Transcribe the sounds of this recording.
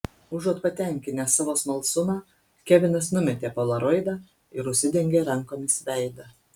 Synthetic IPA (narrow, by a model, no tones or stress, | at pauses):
ʊʒuɔt̪pɐt̪ʲɛˑŋʲkʲɪnʲɛːsɑːʋoːsmɐlˠsʊmɑː | kʲɛʋʲɪnɐsnʊmʲɛt̪ʲeːpolˠɐɾɔɪd̪ɑ | ɪɾʊʃʲsʲɪd̪ʲɛŋʲɡʲeːɾɐŋkoːmʲɪsʋʲæˑɪd̪ɐ